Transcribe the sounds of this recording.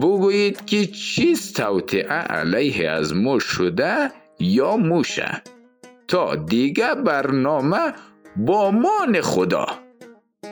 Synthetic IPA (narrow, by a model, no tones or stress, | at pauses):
bʊɡujid̪kʰit͡ʃʰiz̥t̪ʰawt̪ʰiʕaʔa̰lajɦea̰zmɔʃʊd̪a | jɔːmuʃæ̰ | t̪ʰɔːd̪iɡæbæɾnɔːmabɔːmɔːneχʊd̪ɒ̰ː